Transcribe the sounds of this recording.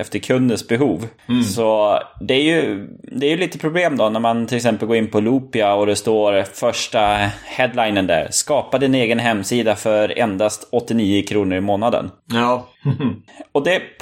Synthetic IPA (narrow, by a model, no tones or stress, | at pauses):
ɛft̪əɾkʰɵnd̪ənsbɛɦuːvsɔd̪ɛæɾjɵd̪ɛæɾjɵliːt̪əpʰɾʊbleːmd̪ɔnæɾmant̪ʰɪlɪksɛmpəlɡoːɪnːpʰɔluːpɪaɔd̪ɛst̪oːɾfœʂʈahɛd̪lajnənd̪æ̰ːɾskɑːpad̪ɛɛneːɡənɦɛmːsiːd̪afœɾɛ̰nd̪ast̪ɔt̪ːɪniːəkʰɾuːnəɾɪmoːnad̪ə̰n | ɔd̪ɛ